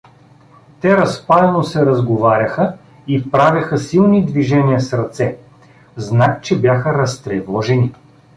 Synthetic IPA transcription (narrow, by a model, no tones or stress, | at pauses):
t̪ɛɾɐspalɛnosɛɾɐzɡovaɾʲɐxə | ipɾavʲjɐxəsilˠnid̪viʒɛniəsɾɐt̪sɛ | znak̚t͡ʃɛbʲjaxəɾɐst̪ɾɛvɔʒɛni